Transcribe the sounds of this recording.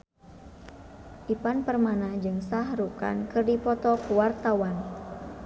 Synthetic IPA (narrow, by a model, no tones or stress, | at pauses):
ʔipanpərmanad͡ʒɨŋsaɦɾuka̰nkɨrdipɔt̪ɔkəwart̪awan